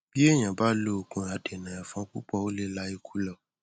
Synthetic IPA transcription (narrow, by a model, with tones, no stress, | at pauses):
b̥i˦e˦˨j̃ã˨ba˦lo˦o˨kũ˨˦a˨de˨nã˨a˨fɔ̃˧˦kṵ˦k͡pɔ˦˨o˦le˦la˦i˧˨kʰu˦lɔ˦˨